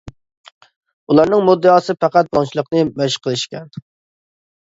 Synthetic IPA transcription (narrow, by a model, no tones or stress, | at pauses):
ulˠɑɾnɨŋmud̪ːɨɑːsɨpʰæqæt̪̚bɑnt͡ʃʰilˠəqnɨmɛʃqʰəlˠɨʃkʲɛn